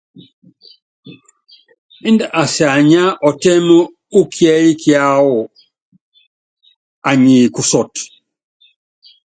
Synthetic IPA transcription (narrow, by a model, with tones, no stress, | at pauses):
i˦nda˨ʔa˨sa˨ɲa˦ʔɔ˨tɛ˦mo˦ | u˦kʰjɛ˦ji˦kʰja˦wɔ˨ | a˨ɲi˨ku˨sɔ˨t